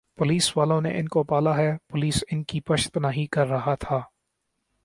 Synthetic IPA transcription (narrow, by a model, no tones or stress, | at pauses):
pʊliːsʋaːlõnḛʔɪnkopaːlaɦɛpʊliːsɪnkipɐʃt̪pɐnaːɦikɐɾːɐɦat̪ʰaː